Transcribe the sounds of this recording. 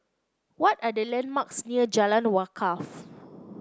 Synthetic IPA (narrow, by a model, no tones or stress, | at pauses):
wɔtadəlɛ̃nmaksniəd͡ʒalãnwakʰaf